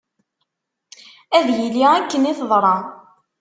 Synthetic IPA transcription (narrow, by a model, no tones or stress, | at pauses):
æðjiliækːəniθəðˤɾˤɑ